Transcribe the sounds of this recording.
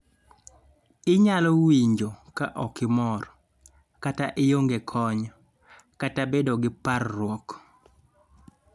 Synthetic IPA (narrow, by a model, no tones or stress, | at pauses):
ɪɲalɔwiɲd͡ʒokaʔɔkɪmɔr | kataʔɪjoŋɡekʰɔɲɔ | katabedoɡɪparːwɔk